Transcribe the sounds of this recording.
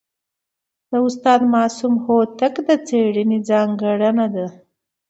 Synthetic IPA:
d̪̥əʊst̪ɑd̪mɑːsumhot̪akd̪ət͡seɽənid͡zɑŋɡəɽanad̪a

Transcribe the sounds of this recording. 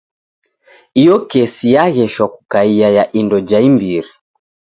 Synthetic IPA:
ijɔkɛsijaɣɛʃwaku̥kaiajaʔindɔd͡ʒaimbiɾi

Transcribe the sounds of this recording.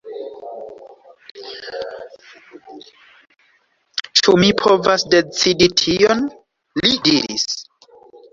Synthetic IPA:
t͡ʃumipʰo̞vasde̞t͡siditʰion | lidiɾɾḭs

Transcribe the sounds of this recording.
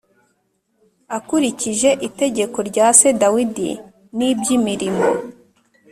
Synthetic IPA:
akuɾiciʒe̞ʔite̞ɟe̞ko̞ɾɟaːse̞dawidḭ | nibjimiɾimo̰

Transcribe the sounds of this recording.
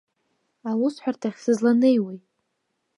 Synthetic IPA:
awʊsħʷartʰaχʲsɨzlanejwejtʼ

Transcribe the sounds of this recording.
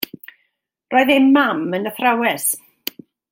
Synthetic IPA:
rʔoːɨðɪmmamənəθrawɛs

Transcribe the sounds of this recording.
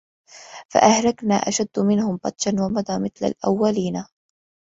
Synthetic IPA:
fa̰ʔahɾaknaːʔaʃad̪ːmɪnhʊmbɑt̪ˤʃanwamɑd̪ˤɑːmɪθla̰lʔa̰wːaliːna

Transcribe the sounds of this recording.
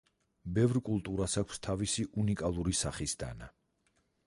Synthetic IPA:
bɛvɾkʼulˠt̪ʼuɾasakʷʰst̪ʰavisiʔunikʼalˠuɾisaχisd̪a̰na

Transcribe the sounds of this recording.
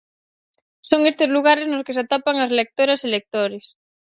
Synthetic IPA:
soŋest̪ɪzluɣ̞aɾɪznoskɪs̬at̪apaŋɐslek̚t̪oɾɐselek̚t̪oɾɪs

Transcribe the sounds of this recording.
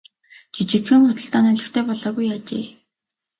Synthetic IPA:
t͡ɕit͡ɕɪ̆t̪xɘ̆ŋχʊt̪ə̆ɬt̪aːnœɮɪ̆xt̪ʰeːpɔɮɔːɣujaːt͡ɕḛː

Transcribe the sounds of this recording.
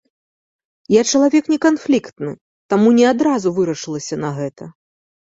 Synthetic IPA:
jat͡ʂɐlˠavʲɛknʲɛkanflʲikt̪nɨ | t̪amunʲɛad̪ɾazuvɨɾɐʂɨlˠɐsʲɐnɐɣɛt̪ɐ

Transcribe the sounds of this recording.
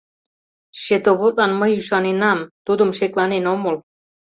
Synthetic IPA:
ʃet̪oβot̪̚lɑnməjyʃɑnenɑmt̪ud̪əmʃeklɑnenoməl

